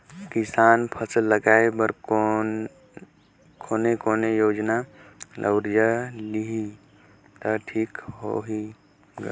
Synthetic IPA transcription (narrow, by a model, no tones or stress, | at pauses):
kisanpʰəsəlləɡaebəɾko | kʰonekoːnejod͡ʒnalʔə̰wɾjəliɦi | t̪əʈʰiːkɦo̰ɦi | ɡə